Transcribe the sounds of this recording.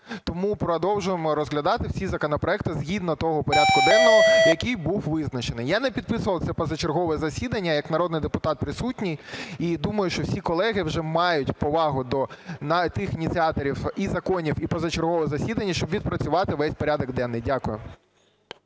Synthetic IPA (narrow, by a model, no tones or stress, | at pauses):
t̪ɔmupɾɔd̪ɔwʒʊjemɔɾɔzɦlʲɐd̪ɑt̪ɪwsʲizɐkɔnɔpɾɔɛk̚t̪ɪzɦʲid̪nɔt̪ɔɦɔpɔɾʲad̪̚kʊd̪ɛnːɔɦɔjɐkijbuwʋɪznɐt͡ʃenɪjjanɛpʲid̪̚pɪsʊʋɐlˠt̪sɛpɐzɐt͡ʃerɦɔʋɛzɐsʲid̪ɐnʲːɐjɐknɐɾɔd̪nɪjd̪epʊt̪ɑt̪̚pɾɪsutʲnʲijid̪umɐjʊʃt͡ʃɔwsʲikɔlˠɛɦɪwʒɛmɑjʊtʲpɔʋɑɦʊd̪ɔnɑt̪ɪxinʲit̪t͡sʲiɑt̪ɔɾʲiwizɐkɔnʲiwipɔzɐt͡ʃerɦɔʋɛzɐsʲid̪ɐnʲːɐʃt͡ʃɔbʋʲid̪̚pɾɐt͡sʲʊʋɑt̪ɪʋɛsʲpɔɾʲad̪ɔɡd̪ɛnːɪjdʲakʊjʊ